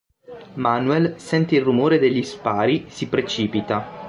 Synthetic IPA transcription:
manuɛlsɛnt̪eilrːumoːɾed̪eʎːispaːɾisipɾet͡ʃiːpit̪a

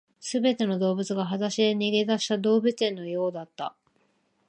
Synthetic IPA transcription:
sɨbe̞t̪e̞no̞d̪o̞ːbɯt͡sɨɡaɦazaɕid̪e̞ɲʲiɡe̞d̪aɕi̥t̪ad̪o̞ːbɯ̟t͡sẽ̞nːo̞jo̞ːd̪at̪ːa̰

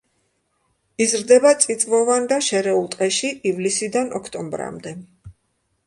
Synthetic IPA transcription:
izɾd̪ɛbat̪sʼit̪sʼvɔvand̪aʃɛɾɛulˠt̪ʼqʼɛʃiʔivlisid̪anɔkʰt̪ʼɔmbɾa̰md̪ɛ

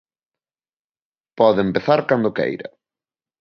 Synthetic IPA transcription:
pɔðempeθaɾkand̪okḛjɾɐ̰

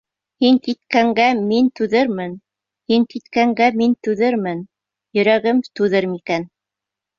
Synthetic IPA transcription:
hiŋkit̪kæŋɡæmint̪ʉðɘɾmɘn | hiŋkit̪kæŋɡæmint̪ʉðɘɾmɘn | jɵ̆ɾæɡɘmt̪ʉðɘɾmikæn

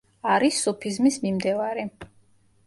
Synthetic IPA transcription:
aɾisupʰizmismimd̪ɛvaɾi

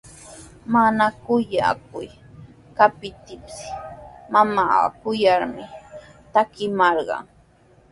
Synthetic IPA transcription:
manakʊja̰kʊj | kapɪt̪ɪpsmama̰ːkʊjɑɾmɪt̪akɪmɑɾɢɑ̰ŋ

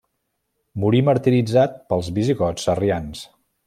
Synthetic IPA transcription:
muɾiməɾt̪iɾid͡zat̪̚pəlˠzβiziɣɔt͡sərians

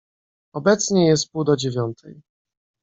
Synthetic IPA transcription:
ɔbɛt̪sɲɛjɛst̪̚pud̪ɔd͡ʑevʲjɔnt̪ʰɛ̰j

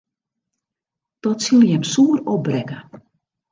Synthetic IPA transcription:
tɔtsilˠjɛmsuərɔbrɛkə

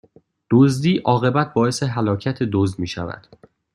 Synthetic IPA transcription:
d̪̥ozd̪iːʔɒːɣe̞bæt̪̚ʰbɒːeseɦælɒːcʰæt̪ʰe̞d̪ozd̪miːʃævæ̰d̪̥

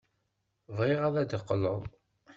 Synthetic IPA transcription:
vʁɪʁæðæd̪əqːələðˤ

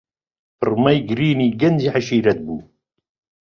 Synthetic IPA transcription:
ərɾˤmæjɡɾiniɡænziħaʃiɾæd̪̚bu

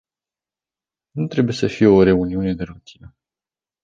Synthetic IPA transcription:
nut̪ɾe̞buje̞səfije̞o̞ɾe̞uniune̞d̪e̞ɾut̪ʰinə

